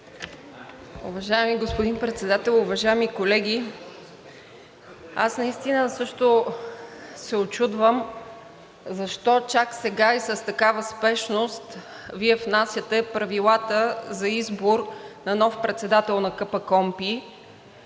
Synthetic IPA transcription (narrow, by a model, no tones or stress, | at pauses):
ṵvɐʒajɛmiɡospod̪inpɾɛt̪sɛd̪at̪ɛlˠʊvɐʒaɛmikolɛɡʲi | asnɐist̪inəsɤʃt̪o | sɛot͡ʃud̪vəm | zɐʃt̪ɔt͡ʃaksɛɡaisəst̪ɐkavəspɛʃnost̪ | viɛfnasʲjət̪ɛpɾɐvilˠat̪əzɐizboɾnɐnɔfpɾɛt̪sɛd̪at̪ɛlˠnɐkɤpəkɔmpi